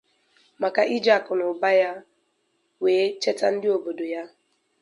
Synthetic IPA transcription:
ma˨ka˨ʔi˦d͡ʒa˨kʊ˨nʊ˨ba˦ja˦ | weː˨˦t͡ʃe˦ta˦n̩˦dɪ˦o˨bo˨do˨ja˦

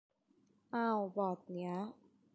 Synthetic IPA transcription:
ʔa˧˩wbɔː˨˩t̪̚ni˦˥ɐ

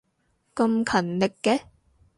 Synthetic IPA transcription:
kɐ˧mkʰɐ˨˩nlɪ˨kːɛ˧

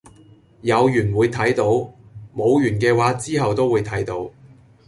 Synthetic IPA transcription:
jɐ˨˧wjyː˨˩nwuː˨˧jt̪ʰɐ˨˥jt̪o˨˧˥wmo˨˧wjyː˨˩nkɛː˧waː˨˥t͡siː˥ɦɐ˨wt̪o˥wːuː˨˧jt̪ʰɐ˨˥jt̪o˨˥w

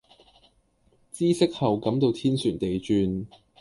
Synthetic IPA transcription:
t͡siː˥sɪ˥k̚hɐ˨wkɐ˨˥mt̪o˧wt̪ʰiː˥nsyː˨˩nt̪e˨jt͡ʃyː˧n

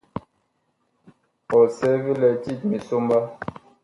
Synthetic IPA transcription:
ɔ˨sɛ˦vi˦lɛ˨ti˦˨t̚mi˨so˦mba˦

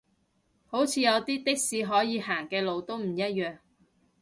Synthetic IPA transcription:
ho˨˥wt͡sʰiː˨˧jɐ˨˧wt̪iː˥t̪ɪ˥k̚siː˧ɦɔː˨˥jiː˨˧ɦaː˨˩ŋkɛː˧lo˨˧wt̪o˥wm̩˨˩jɐ˥t̚jœː˨ŋ

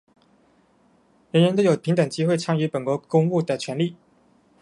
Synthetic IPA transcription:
ɻə˧˥nɻə˧˥nt̪o˧˥jo˨˩ʊpʰi˧˥ŋt̪ə˨˩ŋt͡ɕi˥xwe˥˩ɪʈ͡ʂʰɑ˥ŋy˧˥pə˨˩nkwɔ˧˥kʊ˥ŋu˥˩d̪ə˩t͡ɕʰɥɛ˧˥nli˥˩

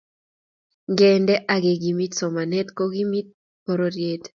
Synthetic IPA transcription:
ŋɡɛ˨ndɛ˦ʔa˨ɡe˨ɡi˨mi˦tsɔ˨ma˨nɛ˦t̪ko˦ɡi˦mi˦t̚ | po˨ɾo˨ɾje˦t

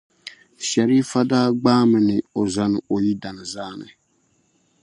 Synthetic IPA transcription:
ʃɛ˨ɾi˦fa˦daː˦ɡ͡baː˦mɨ˨nɨ˨o˨za˨nɨ˨o˨ji˦da˨nɨ˨zaː˦nɨ̰˨

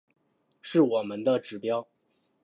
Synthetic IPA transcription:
ʂɻ̩˥˩wɔ˨˩mə˦nd̪ə˧ʈ͡ʂɻ̩˨˩pjɑ˥ʊ

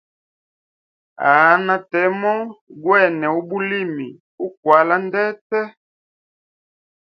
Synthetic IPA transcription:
a̰˨˦na˦tɛ˨˦mɔ˦ɡwɛ˦˨nɛ˨u˦bu˦li˦˨mi˨ | u˦k̚wa˨˦la˦ndɛ˦tɛ˦

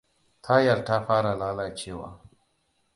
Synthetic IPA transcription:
t̪ʰa˦ja˨lta˦ɸaː˦ɾa˨laː˦la˨t͡ʃeː˦wa̰ː˦

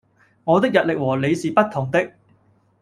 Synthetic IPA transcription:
ŋɔː˨˧t̪ɪ˥k̚jɐ˨t̚lɪ˨k̚wɔː˨˩le˨˧jsiː˨pɐ˥t̚t̪ʰʊ˨˩ŋt̪ɪ˥k̚

